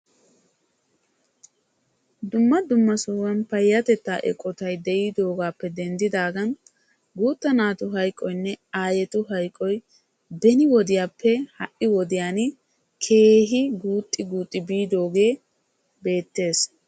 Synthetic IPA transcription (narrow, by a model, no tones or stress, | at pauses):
d̪ʊmːɐd̪ʊmːɐsʊwɐnpɐjːɐt̪ɛt̪ːaːʔɛ̰kʼːɔt̪ɐjd̪ɛʔiːd̪o̞ːɡaːpːɛd̪ɛnd̪ɪd̪aːɡɐn | ɡuːt̪ːɐnaːt̪ʊɦɐjkʼːɔjnːɛaːjɛt̪ʊɦɐjkʼːɔj | bɛnɪwɔd̪ɪjaːpːɛhɐʔɪwɔd̪ɪjaːn | kʰe̞ːɦɪɡuːt̪ʼːɪɡuːt̪ʼːɪbiːd̪o̞ːɡe̞ː | be̞ːt̪ːe̞ːs